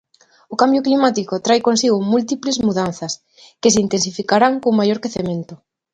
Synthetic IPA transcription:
okambjoklimat̪ikot̪ɾajkonsiɣ̞ʊmult̪iplezmuðan̟θɐs | kes̬eint̪ens̬ifikaɾaŋkoŋmajoɾkeθemẽnt̪ʊ

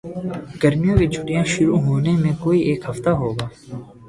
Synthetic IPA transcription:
ɡ̥əɾmijãːkit͡ʃʰʊʈijãːʃʊɾuɦoːnemẽkoːiʔeːkhəft̪aɦoːɡaː

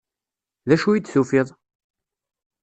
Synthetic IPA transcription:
ðæʃujid̪θufɪðˤ

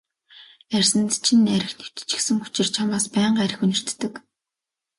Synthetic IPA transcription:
ærʲsɘ̆nt̪t͡ɕʰinæɾʲɪ̆xnɵ̥wt̪̆t͡ɕɪ̥̆ksɘ̆ŋut͡ɕɪ̆rt͡ɕʰamaːspæːɴɢæɾʲɪ̆xunɪ̆r̥t̪ːɘ̆k

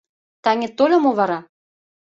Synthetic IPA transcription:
t̪ɑŋʲĕt̪olʲomoβɑɾɑ

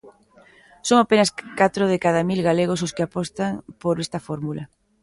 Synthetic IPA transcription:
soŋapenɐskat̪ɾoðekaðamilɣaleɣ̞os̬oskɪapɔst̪aŋpoɾest̪ɐfɔɾmulɐ

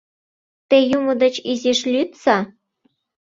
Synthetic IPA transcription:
t̪ejumə̆d̪ə̆t͡ɕizeʃlʲyt̪sɑ

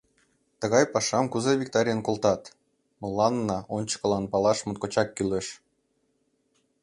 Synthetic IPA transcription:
t̪əɣɑjpɑʃɑmkuzeβʲik̚t̪ɑɾʲjənkolˠt̪ɑt̪ | məlɑnːɑʔonʲt͡ɕə̥kə̆lɑnpɑlɑʃmə̆t̪̚kot͡ɕɑkːyleʃ

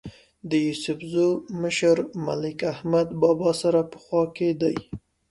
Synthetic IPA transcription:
d̪əjusʊfzoməʃəɾma̰lɪkahmad̪bɑbɑsaɾapə̥xwɑked̪aj

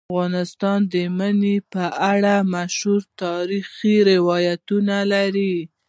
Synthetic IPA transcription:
ɣɑnɪst̪ɑnd̪əmanepəʔaɽamaʃhuɾt̪ɑɾixiɾɪwɑjat̪unalaɾi

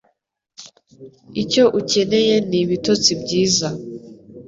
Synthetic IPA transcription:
ico̞ʔuce̞ne̞je̞niβitot͡sibɟiːza

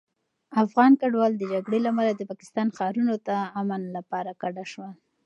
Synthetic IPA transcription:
afɣɑnkaɖwɑld̪əd͡ʒaɡɽelamalad̪əpɑkɪ̥st̪ɑnxɑɾunot̪aːmanlapɑɾakaɖaʃwa

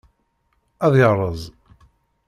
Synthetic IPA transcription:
æðjʁɾˤəzˤ

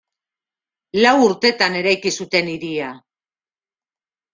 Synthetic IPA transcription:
lawuɾt̪e̞t̪ane̞ɾajkisut̪e̞niɾia

